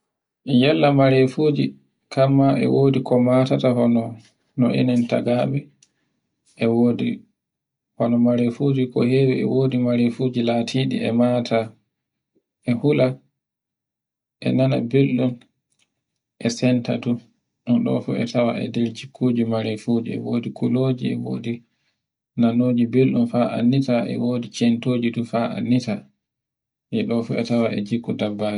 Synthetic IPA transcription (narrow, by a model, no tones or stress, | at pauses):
jɛlːamaɾefod͡ʒi | kamːaʔɛ̰woːdikɔmatataɦɔnɔ | nɔʔḛnɛnta̰ɡaɓɛ | ʔɛwoːdḭ | hɔnɔmaɾefoːd͡ʒikɔ̰hewɛɛ̰woːdimaɾefoːd͡ʒilatʰiɗḭɛmaːtʰa | ʔɛhula | ʔɛ̰nana̰belɗun | ʔɛsɛnta̰du | ʔɔɗɔ̰fṵɛ̰tawaɛ̰dɛɾd͡ʒikʰːud͡ʒimaɾefuːd͡ʒiɛ̰woːdikʰuloːd͡ʒiɛ̰wo̰ːdi | nanoːd͡ʒibelɗunfaʔa̰nːitaʔɛ̰woːdit͡ʃɛntoːd͡ʒidufaa̰nːita | nɛɗɔfṵɛtawaʔɛd͡ʒikːudabːaːd͡ʒi